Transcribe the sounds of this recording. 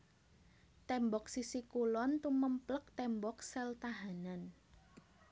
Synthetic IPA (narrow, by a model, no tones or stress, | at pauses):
t̪ɛmbɔk̚sisikulɔnt̪uməmplək̚t̪ɛmbɔksɛlt̪aɦanan